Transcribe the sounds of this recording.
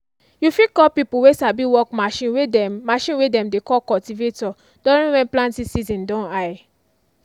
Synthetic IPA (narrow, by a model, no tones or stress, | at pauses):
jufikɔpipuwesabiwɔkmaʃĩnwemaʃĩnwedɛ̃mdekɔkɔltivetɔ | d̥ɔ̃ɾĩwɛ̃nplãntĩsizĩndɔ̃naj